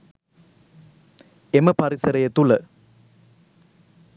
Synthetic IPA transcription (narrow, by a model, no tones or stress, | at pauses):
emɐpɐɾisɐɾɐjɐt̪ːulɐ